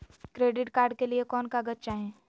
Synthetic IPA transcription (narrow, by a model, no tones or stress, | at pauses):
kɾeːɖɪʈkaːɾɖkeliekɔːnkaɡɐtːʃaɦɛ̃ː